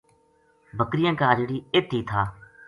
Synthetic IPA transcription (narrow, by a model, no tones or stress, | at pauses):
bʱəkɾɪjãːkaːd͡ʒɽiːɪt̪ːiːt̪ʰaː